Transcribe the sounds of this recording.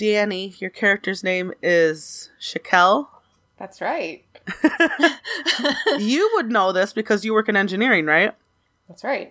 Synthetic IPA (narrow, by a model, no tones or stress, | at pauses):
d̥æ̃nijə˞kʰɛɹɨk̚tə˞znẽɪ̃mɪz̥ʃɨkʰɛlˠ | ðætsɹaɪt̚ | jɨwədⁿnoʊðɪsb̥ɨkʰʌzjɨwɜ˞kɨ̃nɛ̃nd͡ʒɨnɪɹɪ̃ŋɹaɪt̚ | ðætsɹaɪt̚